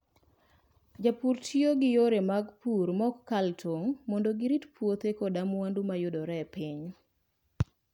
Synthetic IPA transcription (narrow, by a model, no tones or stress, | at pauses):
d͡ʒapuɾtʰjoɡɪjoɾemaɡpuɾmɔkːaltʰoŋmɔndoɡɪɾitpwot̪ekodamwandumajʊdoɾɛpiɲ